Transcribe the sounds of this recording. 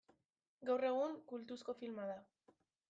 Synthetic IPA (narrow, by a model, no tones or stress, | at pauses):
ɡawre̞ɣ̞uŋkult̪usko̞filmaða